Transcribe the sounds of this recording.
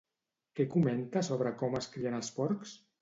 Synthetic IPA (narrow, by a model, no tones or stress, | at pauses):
kɛkument̪asoβ̞ɾəkɔməskɾiənəspɔɾks